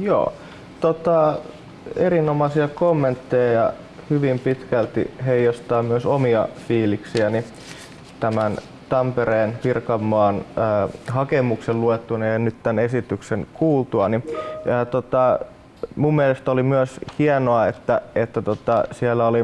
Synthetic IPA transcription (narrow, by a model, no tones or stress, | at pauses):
jo̰ː | t̪ot̪ɑ | eɾinomɑsiɑkomːent̪ːejɑjɑ̰ | hyʋimpit̪kælt̪ḭɦeijːost̪ɑːmmyøsomiɑ̰fiːliksiæni | t̪æmæn | t̪ɑmpeɾeːnʋirkɑmːɑːnː | ɦɑkemukselluet̪ːunejjɑnyt̪t̪ænesit̪ykseŋkuːlt̪uɑniːt̪ot̪ɑ | mumːielest̪olimyøshienoɑet̪ːæet̪ːæt̪ot̪ɑsielːæoli